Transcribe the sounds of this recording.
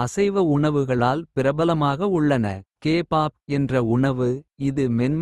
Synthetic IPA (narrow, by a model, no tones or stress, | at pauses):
ɐsɐɪʋɐʊɳɐʋɯɣɐɭaːlpɪɾɐbɐlɐmaːɣɐʊɭːɐnɐkeːpaːp̚ɛndrɐʊɳɐʋɯɪðɯmɛnm